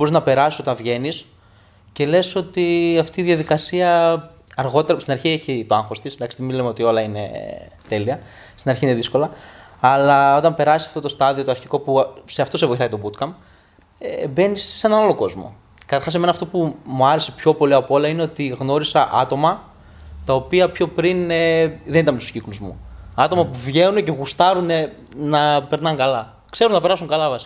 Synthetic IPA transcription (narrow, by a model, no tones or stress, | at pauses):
bo̞ɾiznɐpe̞ɾɐsi̥so̞t̪ɐ̃nvʝe̞nis | ce̞le̞so̞t̪iɐft̪iːðjɐðikɐsiɐ | ɐɾɣo̞t̪eɾɐst̪inɐɾçieçit̪o̞ɐŋxo̞st̪isnd̪ɐkst̪emilemeo̞t̪io̞lɐine̞̰ | t̪e̞liɐ | st̪inɐɾçiineðisko̞lɐːlɐo̞t̪ɐmpe̞ɾɐsisɐ̥ft̪o̞t̪o̞st̪ɐðio̞t̪oɐɾçiko̞puse̞ɐft̪o̞se̞vo̞jθɐit̪o̞but̪kɐm | ebe̞nissːenɐnalo̞ko̞zmo̞̰ | kɐt̪ɐɾxɐs̬eme̞nɐːft̪o̞pumuɐɾe̞se̞pço̞po̞liɐpo̞lɐine̞o̞t̪iɣno̞ɾisɐʔɐt̪o̞mɐ | t̪ɐo̞piɐpço̞pɾineðe̞nit̪ɐmet̪u̥scikluzmṵɐt̪o̞mɐpuvʝe̞nunece̞ɣust̪ɐɾune | nɐpe̞ɾnɐŋɡɐlɐ | kse̞ɾunɐpe̞ɾɐsuŋkɐlɐvɐsi̥